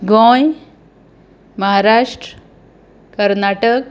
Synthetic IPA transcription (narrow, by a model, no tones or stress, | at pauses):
ɡõj | məɦaɾaʂʈɾə | kəɾnaʈək̚